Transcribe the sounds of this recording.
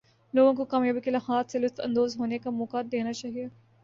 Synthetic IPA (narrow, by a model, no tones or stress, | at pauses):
loːɡõkokaːmjaːbikelɐɦaːt̪ʰselʊst̪ʰɐ̰̃nd̪oːzɦoːnekamoːkad̪eːnat͡ʃaːɦie